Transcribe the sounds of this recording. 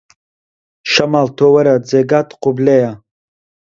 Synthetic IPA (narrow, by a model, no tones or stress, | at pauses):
ʃamaltʰowɐɾad͡zeɡatʰʼqʰʷʊbleja